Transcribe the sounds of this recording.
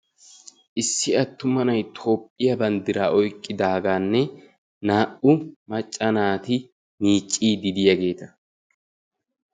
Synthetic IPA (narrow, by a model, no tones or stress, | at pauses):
ʔɪsːɪɐt̪ːʊmɐnɐjt̪ʰo̞ːpʼːɪjɐbɐnd̪ɪɾaːʔɔjkʼːɪd̪aːɡaːnːɛ | naːʔʊmɐt͡ʃʼːɐnaːt̪ɪ | niːt͡ʃʼːiːd̪ɪd̪ɪjɐɡe̞ːt̪ɐ